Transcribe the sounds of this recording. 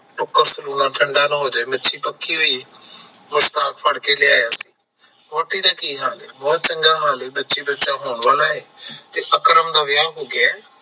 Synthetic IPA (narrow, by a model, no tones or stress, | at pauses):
noːkːəɾsʊɾuːnaːʈʰə̃ɳɖaːnaɦoːd͡ʒebɐtːt͡ʃʰipɐkʰːiːɦʊi | mʊst̪aːkfʰəɽkelɪjaːjaːsĩː | moːʈiɾaːkiɦaːleːmɔːt̪t͡ʃə̃ŋɡaːɦaːliːbɐtːʃiːbɐtːt͡ʃãːɦoːɳʋaːlaːɦeːt̪eʔəkɾəmd̪aːʋɪjaːɦoːɡɪaː